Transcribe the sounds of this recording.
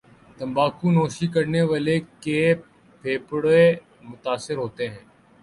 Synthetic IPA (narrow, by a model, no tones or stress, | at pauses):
t̪ə̃mbaːkuːnoːʃikəɾneʋaːleke | pʰeːpɽe | mʊt̪aːsɪɾɦoːt̪eːɦɛ̃ː